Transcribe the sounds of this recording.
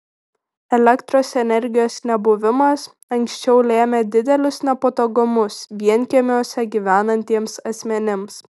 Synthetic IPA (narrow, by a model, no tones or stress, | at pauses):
ɛlʲɛkt̪ɾoːsɛnʲɛɾʲɡʲɪjoːsnʲɛbʊʋʲɪmɐs | ɐŋʲksʲt͡ʃʲɛʊlʲeːmʲed̪ʲɪd̪ʲɛlʲʊsnʲɛpot̪oɡʊmʊsʋʲiɛnʲkʲemʲoːsʲɛɡʲiʋʲæːnɐnʲt̪ʲiɛmsɐsʲmʲɛnʲɪms